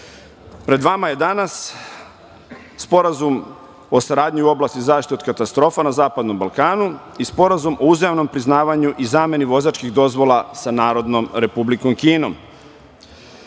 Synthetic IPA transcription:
pɾe̞d̪ʋamaje̞d̪anas | po̞ɾazum | o̞saɾaːd̪ɲiuo̞blast̪izaːʃt̪it̪iod̪kat̪ast̪ɾo̞ːfanazaːpad̪no̞mbalˠkaːnu | ispo̞ɾazumʔo̞uzjaʋno̞mpɾiznaːʋaɲuʔizaːme̞niʋo̞zaːt͡ʃkiɣd̪o̞zʋo̞lˠasanaːɾo̞d̪no̞mɾe̞publikomkiːno̞̰m

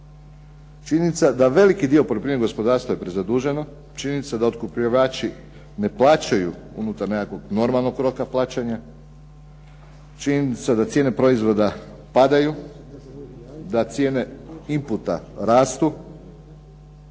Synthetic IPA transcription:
t͡ʃiɲinit̪sad̪aʋe̞likid̪io̞polepɾimeɡo̞spo̞d̪aːɾst̪ʋajepɾezad̪uːʒe̞no | t͡ʃininit̪sad̪aot̪kupʎaʋaːt͡ʃi | ne̞plˠaːt͡ɕajṵ | ṵnut̪aɾnekakʋo̞ɡno̞ɾmalˠno̞ɡkːɾo̞kaplˠaːt͡ɕaɲa | t͡ʃininit̪sad̪at̪sjeːne̞pɾo̞izʋo̞d̪a | pad̪aju | d̪at̪sʲje̞ːne̞imput̪a̰ɾaːst̪u

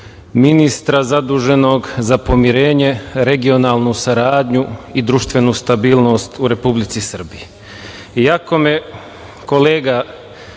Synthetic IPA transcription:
minist̪ɾazad̪uːʒe̞no̞ɡzapo̞miɾe̞ːɲe̞ɾe̞ɡio̞naːlˠnusaɾaːd̪ɲuid̪ɾuʃt̪ʋe̞nust̪abiːlˠno̞st̪uɾe̞publit̪sisr̩bii | jako̞me | ko̞le̞ːɡa

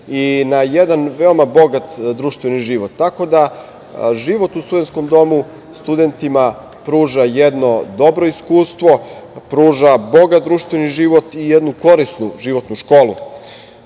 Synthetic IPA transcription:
inajed̪anʋeomabo̞ɡat̪d̪ɾuːʃt̪ʋeniʒiʋot̪ːako̞d̪a | ʒiʋo̞t̪ust̪ud̪e̞nt̪sko̞md̪o̞mu | st̪ud̪e̞nt̪ima | pɾuːʒajed̪no̞d̪o̞bɾoiskuːst̪ʋopɾuːʒabo̞ɡat̪̚d̪ɾuːʃt̪ʋeniʒiʋo̞t̪ijed̪nuko̞ɾisnuʒiʋo̞t̪nuʃko̞ːlṵ

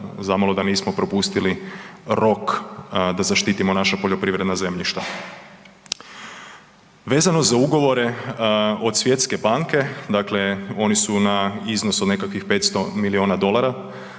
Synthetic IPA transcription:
zamalo̞d̪aniːsmo̞pɾo̞pust̪iliɾo̞kd̪azaʃt̪it̪imonaʃapoʎo̞pɾiʋɾe̞d̪naze̞mʎiʃt̪a | ʋe̞ːzano̞zauɡo̞ʋo̞ɾe̞ | o̞d̪sʋje̞t̪ske̞baŋke̞d̪akle̞o̞nisunaiznosod̪ne̞kakʋixpe̞ːt̪st̪o̞milio̞ːnad̪o̞lˠaɾa

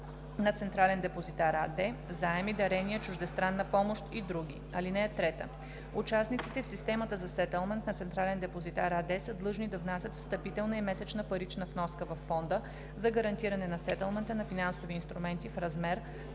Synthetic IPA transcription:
nɐt̪sɛnt̪ɾalɛnd̪ɛpozit̪aɾad̪ɛzaɛmid̪ɐɾɛniət͡ʃʊʒd̪ɛst̪ɾanːɐpɔmoʃt̪id̪ɾuɡi | ɐlinɛːt̪ɾɛt̪ə̰ | ut͡ʃasnit̪sit̪ɛfsist̪ɛmət̪əzɐsɛt̪ɛlˠmɛnt̪nɐt̪sɛnt̪ɾalɛnd̪ɛpozit̪aɾad̪ɛsəd̪lˠɤʒnid̪ɐvnasʲət̪fst̪ɐpit̪ɛlˠnɐimɛsɛt͡ʃnəpɐɾit͡ʃnəfnɔskəvɐfːɔnd̪ə | zɐɡɐɾɐnt̪iɾɐnɛnɐsɛt̪ɛlˠmɛnt̪ənɐfinansoviːnst̪ɾumɛnt̪ifɾɐzmɛɾ

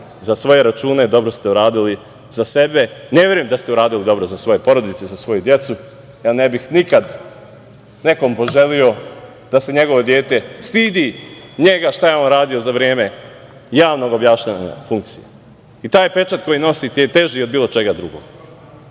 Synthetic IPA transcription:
zasʋo̞je̞ɾat͡ʃuːne̞d̪o̞bɾo̞st̪euɾaːd̪ili | zase̞be̞nevʲje̞ɾujemd̪ast̪euɾaːd̪ilid̪o̞bɾo̞zasʋo̞je̞po̞ɾo̞d̪it̪sezasʋo̞jud̪je̞t̪su | janebixnikad̪ | ne̞ko̞mpo̞ʒe̞lijo̞ | d̪̥ase̞ɲe̞ɡo̞ʋo̞d̪je̞ːt̪e̞st̪iːd̪iɲe̞ɡaʃt̪ajeo̞nɾaːd̪io̞zaʋɾe̞ːme̞ | jaːʋno̞ɡo̞bjaːʃɲaɲa̰fuŋk̚t̪sije | it̪aːjpet͡ʃat̪ko̞jino̞sit̪ejet̪e̞ʒio̞d̪biːlˠo̞t͡ʃe̞ɡad̪ɾuɡo̰ːɡ

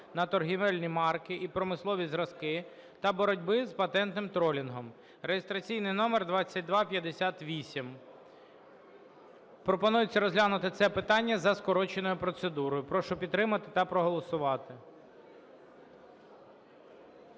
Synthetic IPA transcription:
nɐt̪ɔrɦiʋɛlʲnʲimɑrkɪʔipɾɔmɪslˠɔʋʲizɾɐskɪ | t̪ɐbɔɾɔdʲbɪzpɐt̪ɛnt̪nɪmt̪ɾɔlʲinɦɔm | ɾejest̪ɾɐt͡sʲijnɪjnɔmerd̪ʋɑt͡sʲːɐt̚ʲd̪ʋɑpʲjɐd̪esʲat̪ʋʲisʲim | pɾɔpɔnujɪt͡sʲːɐɾɔzʲɦlʲanʊt̪ɪt̪sɛpɪt̪ɑnʲːɐzɐskɔɾɔt͡ʃenɔjʊpɾɔt̪sed̪uɾɔjʊpɾɔʃɔpʲid̪t̪ːɾɪmɐt̪ɪt̪ɐpɾɔɦɔlˠɔsʊʋɑt̪ɪ

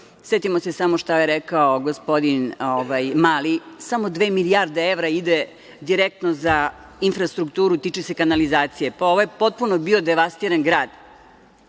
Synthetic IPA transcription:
set̪imo̞sesamoʃt̪ajeɾekaoɡospo̞d̪inoʋajmaːlisamo̞d̪ʋe̞ːmilijaɾd̪eeʋɾaid̪e | d̪iɾek̚t̪noza | infɾast̪ɾukt̪uːɾut̪it͡ʃise̞kanalizaːt̪sijepao̞ʋojepo̞t̪̚punobio̞d̪eʋast̪iːɾanɡɾaːd̪

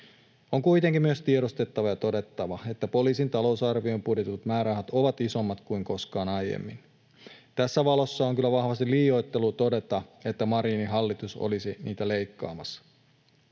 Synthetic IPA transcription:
oŋkuijt̪eŋkimyøst̪ie̞ɾost̪et̪ːɑʋɑjɑt̪o̞de̞t̪ːɑʋɑe̞t̪ːæpo̞liːsint̪ɑlo̞usɑrʋio̞mpudjet̪ut̪mæːɾɑɦɑt̪o̞ʋɑt̪iso̞mːɑt̪kuiŋko̞skɑːnɑjjḛmːḭn | t̪æsːæʋɑlo̞sːɑoŋkylːæʋɑhʋɑst̪iliːjo̞jt̪ːe̞lut̪o̞de̞t̪ɑet̪ːæmɑɾiːniɦɑlːit̪uso̰lisiniːt̪æle̞jkːɑ̰ːmɑs

